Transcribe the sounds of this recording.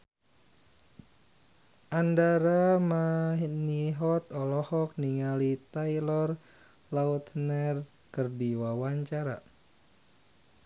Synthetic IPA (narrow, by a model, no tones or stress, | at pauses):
ʔandaɾamaniɦɔt̪ɔlɔhɔk̚niŋalit̪ailɔr | laut̪nɛr | kərdiwawaɲt͡ʃaɾa̰